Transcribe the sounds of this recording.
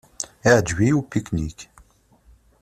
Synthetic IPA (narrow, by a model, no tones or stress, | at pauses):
iʕd͡ʒwiupiknik